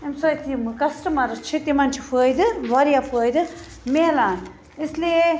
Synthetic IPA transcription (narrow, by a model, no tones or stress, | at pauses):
emsɐjt̪ʰimɨkɐsʈɐmɐɾɨt͡ʃʰit̪emant͡ʃʰipʰɨːjd̪ɨʋaɾijafʰəːjd̪ɨ | meːlaːn | esle